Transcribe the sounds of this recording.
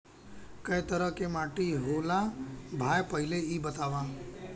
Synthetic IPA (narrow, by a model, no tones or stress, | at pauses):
kəjt̪əɾəɦkemaʈiɦolabʱaːjpəɦɪleibət̪aʋã